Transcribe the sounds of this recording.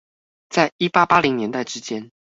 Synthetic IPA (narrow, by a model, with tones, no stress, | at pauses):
t͡sa˥˩ɪi˥pa˥pa˥li˧˥ŋnjɛ˧˥nt̪a˥˩ɪʈ͡ʂɻ̩˥t͡ɕjɛ˥n